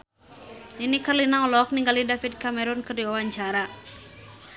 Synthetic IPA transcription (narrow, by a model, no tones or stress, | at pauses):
ninikarlinaɔlɔk̚niŋɡalidafit̚kamɛɾʊnkərdiwawaɲt͡ʃaɾa